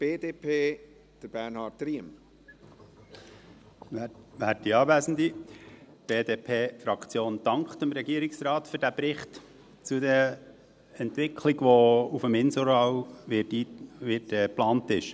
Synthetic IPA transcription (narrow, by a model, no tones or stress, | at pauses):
b̥eːdeːpʰeː | d̥əbænhɑːtɾiəm | ʋæːɾ̚iɑːvæsn̩d̪i | b̥eːdeːpʰeːfɾɑkt͡sjoːnd̥ɑŋkχt̪əmɾɛɡiːəɾɪksrɑːtføɾdæbɾɪχt | t͡sudɛ | ɛntʋɪkʰliɡʋɔufəmɪnsɔɾɑːwɪtiʋɪtɛːplɑːntɪʃ